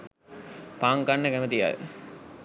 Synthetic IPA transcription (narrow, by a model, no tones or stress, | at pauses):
paːŋkanːəkæmət̪ija̰l̰